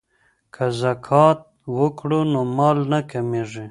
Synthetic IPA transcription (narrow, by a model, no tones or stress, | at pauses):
kʰazakʰɑt̪̚wəkɽunomɑlnakameʐi